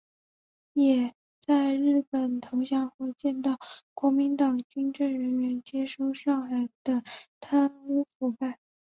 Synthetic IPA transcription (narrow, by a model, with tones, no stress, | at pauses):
jɛ˨˩ | t͡sa˥˧ɪɻɻ̩˥˩pə˨˩nt̪ʰo˧˥ʊɕjɑ˥˧ŋxwɛ˥˧ɪt͡ɕjɛ˥˧nt̪ɑ˥˩ʊkwɔ˧˥mi˧˥nt̪ɑ˨˩ŋt͡ɕy˥nʈ͡ʂɤ˥˩ŋɻə˧˥nɥɛ˧˥nt͡ɕjɛ˥ʂo˥˧ʊʂɑ˥˩ŋxa˨˩ɪd̪̥ə˧t̪ʰa˥nu˥fu˨˩pa˥˩ɪ